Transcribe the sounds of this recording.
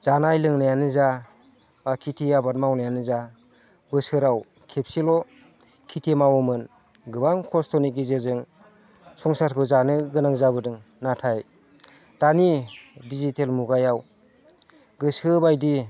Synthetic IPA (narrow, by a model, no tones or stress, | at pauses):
zanajlɯŋnajanɯza | bakʰitʰiabat̚mawnajanɯza | bɯsɯɾaw | kʰep̚silɔ | kʰitʰemawɔmɯn | ɡɯbaŋkʰɔstʰɔnik̚izɯzɯŋ | sɔŋsaɾkʰɯzanɯɡɯnaŋzaβɯdɯŋ | natʰaj | d̥anidizitʰelmuɡajaw | ɡɯsɯbajdi